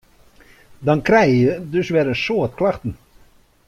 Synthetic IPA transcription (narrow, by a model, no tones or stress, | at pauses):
dɑnkrɛjjədøsʋɛɾənsoətklaxtən̩